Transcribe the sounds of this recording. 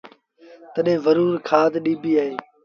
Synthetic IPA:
t̪əɗẽːʋəɾuːɾkʰaːd̪ɗiːbʱiːaːɦeː

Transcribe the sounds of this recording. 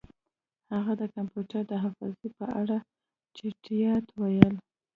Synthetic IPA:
haɣad̪əkampjuʈaɾd̪əɦafɑ̰zepəʔaɽa | t͡ʃɪʈijɑt̪wajəl

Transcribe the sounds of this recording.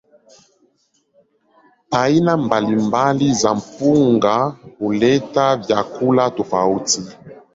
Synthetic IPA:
ainambalimbalizam̩puŋɡakulɛtavjakulatofauti

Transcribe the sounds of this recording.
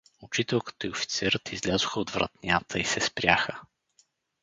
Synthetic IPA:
ʊt͡ʃit̪ɛlˠkə̥t̪oiofi̥t̪sɛɾət̪izlʲazʊxəod̪vɾɐ̰t̪nʲat̪ʰəisɛspɾʲaxə

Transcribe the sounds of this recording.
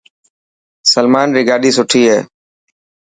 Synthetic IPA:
səlmaːnɾiːɡaːɗiːsʊʈʰiːɦeː

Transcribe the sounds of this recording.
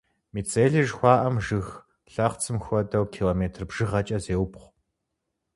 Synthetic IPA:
miːt͡sʰʼeːɮɨʒxʷɑːʔɐmʒɨx | ɬɐχt͡sʰɨmxʷɔdɐwkʰiːloːmeːtʰrbʒ̥ɨʁɐt͡ʃʼɐzeːwpχʷ

